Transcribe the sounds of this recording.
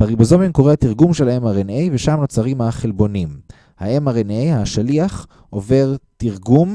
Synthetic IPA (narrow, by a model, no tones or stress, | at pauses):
b̥aʁibozo̞mimko̞ʁeat̪iʁɡumʃelaemaʁenejveʃamno̞t͡saʁimhaχelbo̞nim | haʔemaʁenejhaʃaliaχ | ʔo̞ve̞ʁt̪iʁɡum